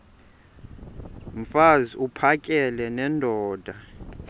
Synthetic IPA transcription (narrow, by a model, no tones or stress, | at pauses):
ɱ̩faziupʰakʼɛlɛnɛndʱɔːd̥ʱa